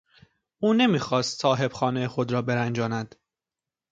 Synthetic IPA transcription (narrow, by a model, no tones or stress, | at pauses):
ʔuːne̞miːxɒːst̪sɒːɦe̞bxɒːnejexod̪ɾɒːbeɾænd͡ʒɒːnæd̪̥